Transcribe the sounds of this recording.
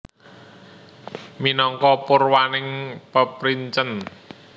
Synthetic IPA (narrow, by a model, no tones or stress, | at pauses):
minɔŋkɔpʊrwanɪŋpəpɾiɲt͡ʃən